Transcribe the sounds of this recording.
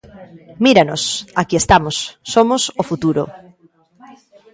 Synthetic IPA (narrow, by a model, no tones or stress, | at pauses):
miɾanosakiest̪amosːomosofut̪uɾo̰